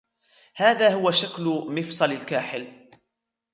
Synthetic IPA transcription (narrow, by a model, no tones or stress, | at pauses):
haːðaːhʊwaʃaklmɪfsˤɑlɪlkaːħɪl